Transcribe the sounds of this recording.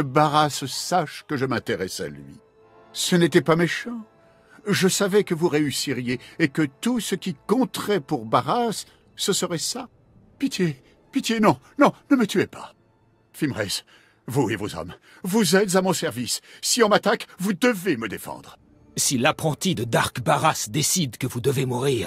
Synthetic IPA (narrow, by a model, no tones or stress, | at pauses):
əbaʁassaʃkəʒəmɛ̃t̪eʁɛsa̰lɥḭ | sənet̪ɛpameʃɑ̃ | ʒəsavɛkəvuʁeysiʁjeekət̪usəkʲikɔ̃t̪χɛpuʁbaʁasː | əsəʁɛsa | pit̪je | pit̪jenɔ̃nɔ̃nəmət̪yepa̰ | fimʁɛ̰s | vuevo̰zɔ̰m | vuzɛt̪zamɔ̃sɛʁvisːiɑ̃mat̪akvud̪əveməd̪efɑ̰̃d̪ʁ | silapχɑ̃t̪id̪əd̪aʁkbaʁasd̪esid̪kəvud̪əvemuʁiːʁ